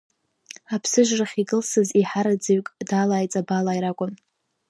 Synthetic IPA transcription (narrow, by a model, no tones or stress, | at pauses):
apʰsɨʒraχʲiɡɨlsɨziħaɾad͡zɨɥkʼdaːlaːjt͡sʼabalaːiɾakʷʼʊm